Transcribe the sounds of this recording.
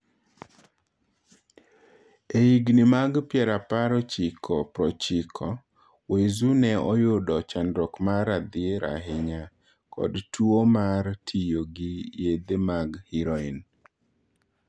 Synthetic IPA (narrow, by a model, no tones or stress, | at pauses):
eiɡnɪmaɡpjɛɾapaɾɔt͡ʃɪkʰɔpɾɔt͡ʃɪkʰɔ | wezunɛɔjʊdɔt͡ʃandɾɔkmaɾad̪ɪeɾa̰ɦɪɲa | kʰɔ̰dtuomaɾtʰijoɡɪjed̪emaɡhiɾɔin